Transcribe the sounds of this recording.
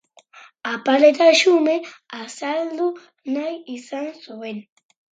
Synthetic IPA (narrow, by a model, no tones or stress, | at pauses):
apalet̪aʃumɪasald̪ʊ | najɪsansʊwen